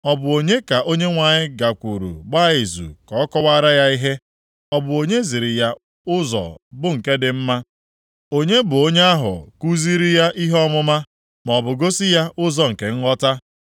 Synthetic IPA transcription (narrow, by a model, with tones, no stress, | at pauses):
ɔ˨bʊ˨o˨ɲe˦ka˨ʔo˦ɲe˦ŋʷa˨ɲɪ˦ɡa˨kʷu˨ɾṵ˨ɡ͡ba˦i˨zṵ˨kɔ˨˦kɔ˦wa˦ɾa˦ja˦i˦ɦe˦ | ɔ˦bʊ˨o˨ɲe˦zi˨ɾi˨ja˦ | ʊ˦zɔ̰˨bʊ˦ŋ̩˨ke˦dɪ˨m̩˦ma˦ | o˦ɲe˦bʊ˨o˦ɲe˦a˦ɦʊ̰˨ku˦zi˦ɾi˦ja˦ʔi˦ɦɔ˦mʊ˦ma˦ | m˨ɔ˨bʊ˨ɡo˦si˦ja˦ʔʊ˦zɔ˨ŋ̩˨ke˨ŋ̩˦ɦɔ˦ta˦